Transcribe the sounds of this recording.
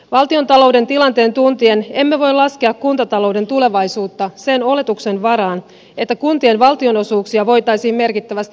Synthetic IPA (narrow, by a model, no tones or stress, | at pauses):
ʋɑlt̪io̞nt̪ɑlo̞wde̞nt̪ilɑnt̪e̞ːnt̪unt̪ie̞ne̞mːeʋo̞jlɑske̞ɑkkunt̪ɑt̪ɑlo̞wde̞nt̪ule̞ʋɑjsuːt̪ːɑse̞no̞le̞t̪ukse̞nʋɑɾɑːn | e̞t̪ːækunt̪ie̞nʋɑlt̪io̞no̞suːksiɑʋo̞jt̪ɑjsiːmme̞rkit̪ːæʋæst̪i